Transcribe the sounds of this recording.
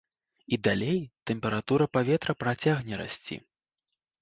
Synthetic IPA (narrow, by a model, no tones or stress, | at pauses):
id̪alʲejt̪ɛmpʲɛɾat̪uɾɐpavʲɛt̪ɾɐpɾat͡sʲaɣnʲɛɾa̰sʲt͡sʲḭ